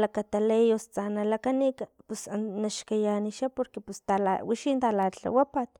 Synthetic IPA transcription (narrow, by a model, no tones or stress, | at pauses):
lakat̪alejost͡sanalakanikapusanaʃkajaniʃapoɾkepust̪ala̰wiʃint̪alat͡ɬa̰wapat̪